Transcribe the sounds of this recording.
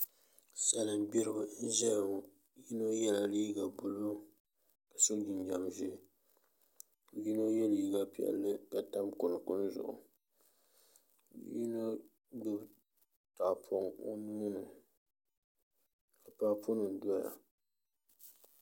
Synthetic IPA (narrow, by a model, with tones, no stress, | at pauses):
sa˨lɨ˨m˦bi˦ɾɨ˦bɨ˨˦n̩˦ʒɛ˦j | ji˦no˦jɛ˦la˨liː˦ɡa˨bʊ˨lo˦ | ka˨so˦ɡi˨ɲ˦ɲa˨mʒi˦˨ | ji˦no˦jɛ˦li˨ɡa˦pi˦˨ɛ̰˨lːɨ˦ka˨ta˦mkʊ˨n˨kʊ˦n˦zʊ̰˨ʔʊ̰˨˦ | jḭ˦no˦ | ɡ͡bɨ˦b | ta˨ʔpʰo˦ŋo̰˦nu˦nɨ˨ | ka˨pa˨ʔpʰo˦nɨ˨dɔ˦ja̰˨